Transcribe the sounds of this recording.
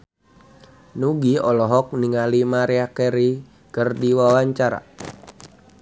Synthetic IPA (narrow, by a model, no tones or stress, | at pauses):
nuɡiɔlɔɦɔk̚niŋalimaɾɛakeɾi | kərdiwawaɲt͡ʃaɾa̰